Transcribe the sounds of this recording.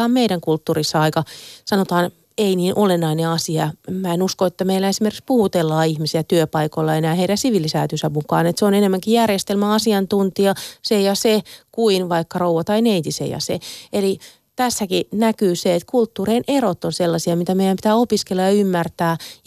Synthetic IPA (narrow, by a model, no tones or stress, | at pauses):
ɑːmmeiɾæŋkult̪ːuːrisːɑɑikɑsɑnot̪ɑːn | einiːnʔolenːɑineɑsiɑmæenuskoet̪ːæmeilːæesimerkikspuhut̪elːɑːihmisiæt̪yøpɑikoilːɑenæːheiɾæsiʋilːisæ̰ːt̪ysæmukɑ̰ːnet̪seonenemːæŋkijærjest̪elmæɑsiɑnt̪unt̪iɑsejɑsekuinʋɑikːɑrouwʋɑt̪ɑineit̪isḛjɑ̰sḛeli | t̪æsːækinækyːseet̪kult̪ːuːreinʔerot̪ːonselːɑsiɑmit̪æmeijæmpit̪æːopiskelːɑjɑymːært̪æː